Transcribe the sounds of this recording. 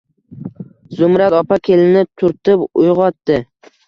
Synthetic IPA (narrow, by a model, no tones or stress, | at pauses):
zʊmɾat̪ɒpakʲʰe̞lɪnɪt̪ʰʊɾt̪ɪpʊjʁɒt̪ːɪ